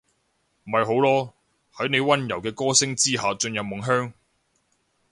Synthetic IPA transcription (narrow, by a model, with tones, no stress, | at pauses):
m̩˨˩mɐ˨jɦo˨˥wlɔː˥ | hɐ˨˥jne˨˧jwɐ˥njɐ˨˩wkɛː˧kɔː˥sɪ˥ŋt͡siː˥ɦaː˨t͡ʃɵ˧njɐ˨p̚mʊ˨˩ŋɦœː˥ŋ